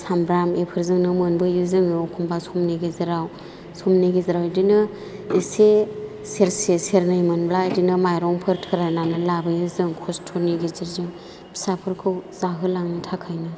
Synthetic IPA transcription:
sambɾamepʰɯɾzɯŋnɯmɯnbɯjɯzɯŋɯkʰumbasɔmniɡezɯɾaw | sɔmniɡiziɾawdinɯ | ese | seɾseseɾnɯjimanbladinɯmajɾɔŋpʰɯɾtʰɯɾananɯlabɯjɯzɯŋkʰɔstʰoniɡeziɾzɯŋ | bʰi̥sapʰɯɾkʰɯwz̥aɦɯlaŋnɯtʰakʰajnɯ

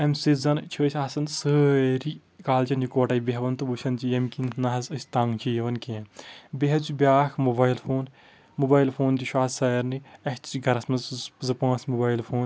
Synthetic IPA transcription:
ɐmsizɐnt͡ʃʰɐːsʲaːsɐnsɨɾi | kaːlt͡ʃɐnjukʋɐʈɐjbiɦɐʋɐnt̪ubuʃɐnd͡ʒijɐmkinʰnɐɦɐzɨsʲt̪aːŋɡt͡ʃʰijɐʋɐnkẽnbeɦɐt͡subʲjaːxmobaːjlfʰoːn | mubaːjlfʰoːnd̪iʃwaːsɐjɐɾniɐt̪t͡ʃiɡɐɾɐsmɐzzɨpãːsmubaːjlfʰoːn

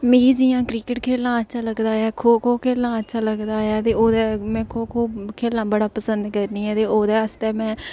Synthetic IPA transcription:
meːiːd͡ʒiːjãːkɾiːkəʈkʰeːlãːətːʃʰaːləɡd̪aːjɛːkʰoːkʰoːkʰeːlãːətːʃʰaːləɡd̪aːjaːt̪eːoːd̪ɛːmɛ̃ːkʰoːkʰoːkʰeːlãːbəɽaːpəsənd̪kəɾniːɛːt̪eːoːd̪ɛːəst̪ɛːmɛ̃ː

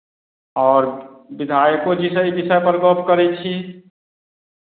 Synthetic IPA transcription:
ɔːɾbid̪ʱajəkod͡ʒisəib̪isajpəɾɡopkəɾɛt͡ʃʰi

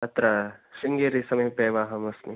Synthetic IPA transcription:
ɐt̪ɾɐʃiŋɡeɾisɐmɐjpeːʋaːɦɐmɐsni

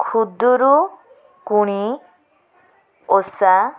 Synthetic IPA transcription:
kʰud̪ɔɾu | kuɽ̃i | osa

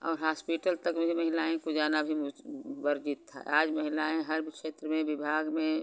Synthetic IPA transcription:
ɔ̰ːɾɦaːspiʈəlt̪əkmeimɐɦɪlaːẽkod͡ʒaːnabʱibəɾd͡ʒit̪ʰːa̰aːd͡ʒmɐɦɪlaːẽɦɐɾbkʃeːt̪ɾəmẽbɪbʱaːɡmẽ

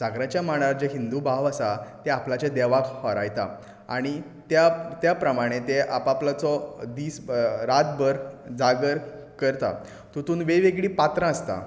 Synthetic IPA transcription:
d͡zaɡɾãt͡ɕjamaɽ̃aaɾd͡ʑeɦind̪ubʱaʋəsat̪eaplat͡ɕed̪ɛʋakhɔɾajt̪a̰ | a̰ɽ̃i | t̪jat̪japɾəmaɽ̃et̪eʔapaplat͡sɔd̪iːsɾat̪̚bəɾd͡zaɡəɾ | kəɾt̪a̰ | t̪ut̪uːnʋeʋeɡɭiːpat̪ɾãəst̪a̰

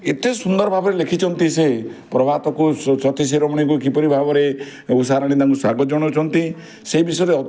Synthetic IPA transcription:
et̪esund̪ɔɾɔbʱabɔɾelekʰit͡ʃʰɔnt̪iseɦpɾɔbʱat̪ɔkusɔt̪iseɾɔmɔɽ̃ikuekipɔɾibʱabɔɾe | usaɾaɽ̃id̪aŋkusaɡɔd͡ʒɔɽ̃ɔt͡ʃʰɔnt̪i | seibisɔjɾeɔ

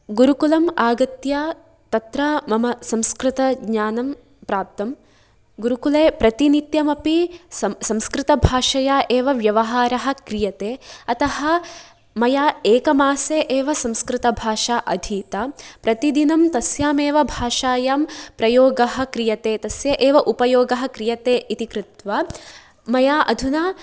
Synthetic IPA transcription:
ɡuɾukulɐmaːɡɐt̪jaː | t̪ɐt̪ɾɐmɐmɐsɐ̃mskɾɪt̪ɐɡɲaːnɐm | pɾaːp̚t̪ɐm | ɡuɾukuleːpɾɐt̪init̪jɐmɐpisɐmskɾɪt̪ɐbʱaːʃɐjaːʔeːʋɐʋjɐʋɐɦaːɾɐɦɐ̆kɾijɐt̪eːɐt̪ɐɦɐ̆ | mɐjaːeːkɐmaːseːʔeːʋɐsɐ̃mskɾɪt̪ɐbʱaːʃaːʔɐd̪ʱiːt̪ɐpɾɐt̪id̪inɐmt̪ɐsjaːmeːʋɐbʱaːʃaːjaːmpɾɐjoːɡɐɦɐ̆kɾijɐt̪eːt̪ɐsjɐʔeːʋɐʔupɐjoːɡɐɦɐ̆kɾijɐt̪eːʔit̪ikɾut̪ʋaː | mɐjaːʔɐd̪ʱunaː

